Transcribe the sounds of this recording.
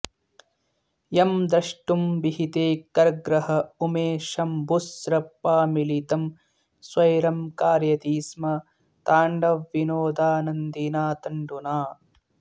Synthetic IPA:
jɐmd̪ɾɐʂʈumbiɦit̪eːkɐɾɡɾɐɦɐumeːʃɐmbusɾɐpːaːmilit̪ɐm | swɐjɾɐmkaːɾjɐt̪iːsmɐ | t̪aːɳɖɐʋːinoːd̪aːnɐnd̪inaːt̪ɐɳɖunaː

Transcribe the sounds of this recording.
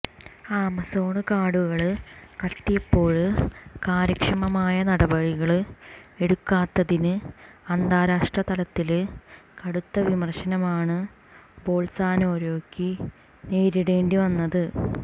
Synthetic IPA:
aːmɐso̞ːɳɨkaːɽuɣɐɭɨkɐt̪ːijepːo̞ːɻɨkaːɾɐkʂɐmɐmaːjɐnɐɽɐbɐɻiɣɐɭe̞ɽukːaːt̪ːɐðinɨɐnd̪aːɾaːʂʈrɐt̪ɐlɐt̪ːilkɐɽut̪ːɐʋimɐrɕɐnɐmaːɳɨ | bo̞ːlsaːnoːɾo̞ːkːi | neːɾiɽe̞ːɳɖiʋɐnːɐðɨ

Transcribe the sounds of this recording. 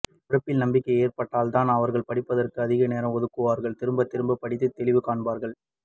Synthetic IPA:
ʊɾɐpːɪlnɐmbɪkːɐɪeːrpɐʈːaːlt̪aːnɐʋɐɾɣɐɭpɐɽɪpːɐðɐrkɯɐðɪɣɐneːɾɐmɔðɯkːɯʋaːɾɣɐɭt̪ɪɾɯmbɐt̪ːɪɾmbɐpːɐɽɪt̪ːɯt̪ːɛɭɪʋɯkaːɳbaːɾɣɐɭ

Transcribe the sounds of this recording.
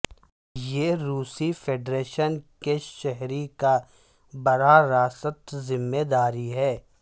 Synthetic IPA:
jeːɾuːsifʰeːɖɾeːʃənkeʃɛɦɾika | bɐɾaɾaːsət̪zɪmːeːd̪aːɾiɦɛː

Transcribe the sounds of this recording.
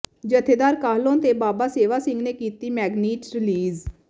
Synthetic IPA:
d͡ʒət̪ʰeːd̪aːɾkaːɦlõːnt̪eːbaːbaːseːʋaːsɪ̃ŋɡneːkiːt̪iːmɛːɡniːʈɾɪliːz

